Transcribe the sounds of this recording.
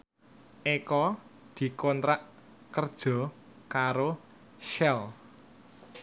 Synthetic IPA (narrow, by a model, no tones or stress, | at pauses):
ʔekɔ | d̪̥i̤kɔnt̪ɾaʔ | kərd̥ʒ̥ɔ̤ | kaɾo | ʃɛl